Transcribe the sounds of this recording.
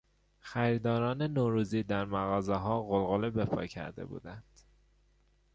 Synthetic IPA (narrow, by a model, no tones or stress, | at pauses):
xæɾid̪ɒːɾɒːne̞noːɾuːziːd̪æɾmæɣɒːzeɦɒːɣolɣolebe̞pʰɒ̰ːcʰæ̰ɾd̪e̞̰bṵːd̪ænd̪̥